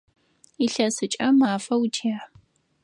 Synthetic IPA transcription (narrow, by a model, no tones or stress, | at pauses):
iɬɐsɨt͡ʃʼɐmaːfɐwtʰijaː